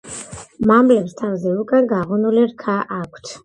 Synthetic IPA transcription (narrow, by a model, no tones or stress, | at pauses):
mamblɛpst̪ʰavzɛukʼaɡaʁɔnuliɾkʰaʔakʷʰt̪ʰ